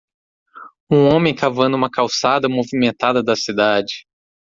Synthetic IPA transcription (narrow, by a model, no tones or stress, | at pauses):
ũõmẽj̃kavɐ̃nd̪ʊũmɐkawsad̪ɐmovimẽnt̪ad̪ɐd̪ɐsid̪ad͡ʒɪ